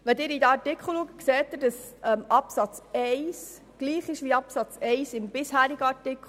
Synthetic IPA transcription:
ʋɛd̪ɪːɾid̪æɑɾtɪkʰχl̩lukəkseːttːɪɾd̥əs | ɛmʔɑpsɑt͡sɛɪs | ɡ̥liːχɪʃʋiɑpsɑt͡sɛɪsɪmb̥ɪshæːɾiɡəɑɾtɪkχ

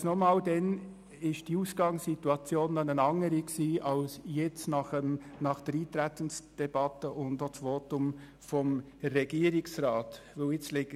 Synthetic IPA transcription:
snɔmɑːldɛn | ɪʃd̥iuːsɡ̥ɑŋsituɑt͡sjoːndɑnənɑŋəɾiksiːʔɑlsjɛt͡snɑχəmnɑχd̥əɾiːt̪ɾɛtənsd̥ɛb̥ɑtəʔʊndot͡svɔtʊm | fɔm | rɛɡiːəɾɪksrɑːtvɪlɪt͡slɪɡ

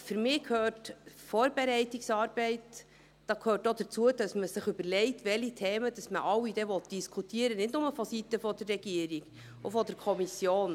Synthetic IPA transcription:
fyɾmɪːkʰhøːtfɔːɾbɛɾɛɪtɪksɑːɾb̥ɛɪt | d̥ɑːkʰhøːtːod̥əɾt͡suəd̥ɑsməsɪχʏbəɾlɛɪtʋɛlitʰɛːməd̥ɑsməʔɑwid̥ɛʋɔt̚d̥iskʰutʰiəɾənɪdnʊməfɔsitəfɔdərːɛɡ̥iəɾiɡ | ofɔdəɾkʰɔmisjoːn

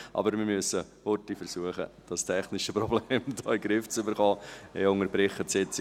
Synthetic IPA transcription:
ʔɑ̰bəɾmɪɾmyəsə | hʊtifəɾsuəχə̰d̥ɑstʰɛχnɪʃəpɾɔbleːmdɔːiɡɾɪft͡sʏbəɾχɔːɛ̰ʊŋəbɾɪχːətsɪt͡sɪ

